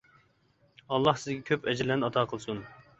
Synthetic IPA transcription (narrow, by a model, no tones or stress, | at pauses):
ɑlˠːɑhsɪzɡʲɛkʲʰøpɛd͡ʒɾlːɛnɑt̪ʰɑːqʰəlˠsun